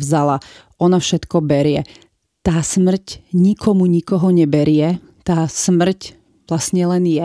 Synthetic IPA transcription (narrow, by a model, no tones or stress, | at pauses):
ʋzala | ɔnafʃɛt̪kɔbɛɾɪɛ | t̪aːsmr̩cɲikʰɔmuɲikɔɦɔɲɛbɛɾɪɛ | t̪aːsmr̩c | ʋlasɲɛlɛnjɛ